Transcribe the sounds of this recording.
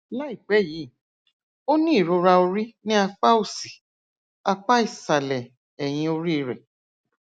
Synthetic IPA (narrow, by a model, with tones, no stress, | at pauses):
la˦i˦˨k͡pɛ˨˦˨ji˨˦˨ | o˦nĩ˦i˨ɾo˨˧ɾa˧o˧ɾi˦nĩ˦a˧k͡pa˦o˦˨si̥˨ | a˧k͡pa˦i˦˨sa˨lɛ˨ | ɛ˨j̃ĩ˧o˧ɾi˦˧˦ɾɛ˨